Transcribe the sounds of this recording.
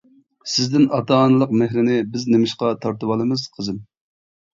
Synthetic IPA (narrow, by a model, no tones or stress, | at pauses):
sɪzd̪ɪnɑt̪ɑːnɨlˠəqmɪhɾɪnɪbɪznɪmɪʃqɑt̪ʰɑɾt̪ɨwɑlˠɨmɨz̥qʰəzɨm